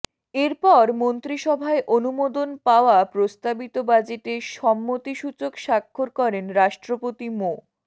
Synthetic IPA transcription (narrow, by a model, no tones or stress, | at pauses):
eɾpɔɾmont̪ɾiʃɔbʱaeʔonumod̪onpaoapɾost̪abit̪obad͡ʑeʈeɾʃɔmːot̪iʃut͡ɕokʃakʰːoɾkɔɾenɾaʃʈɾopot̪imo